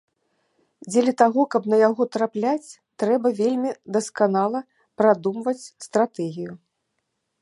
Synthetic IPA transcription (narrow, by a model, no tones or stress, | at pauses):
d͡zʲelʲɐt̪aɣɔkɐbnɐjaɣɔt̪ɾaplʲat͡sʲ | t̪ɾɛbɐvʲelʲmʲid̪ɐskanalˠɐ | pɾad̪umvɐt͡sʲst̪ɾat̪ɛɣʲiju